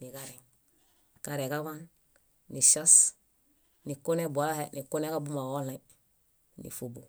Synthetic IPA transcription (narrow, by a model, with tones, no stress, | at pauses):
ni˨ɡaɾiŋ | ka˨ɾeka˦βan | ni˨ʃas | ni˨ko˦ne˦bu˨a˨a˦he˦ni˨ko˦ne˦ka˦bu˦ma˨wo˦le | nḭ˨fo˨bo˨